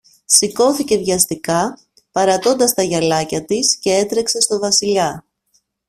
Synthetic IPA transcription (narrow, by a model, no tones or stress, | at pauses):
siko̞θice̞ðʝɐst̪ikɐ | pɐɾɐt̪o̞nd̪ɐst̪ɐʝɐlɐcɐt̪isce̞e̞t̪ɾe̞kse̞st̪o̞vɐsiʎɐ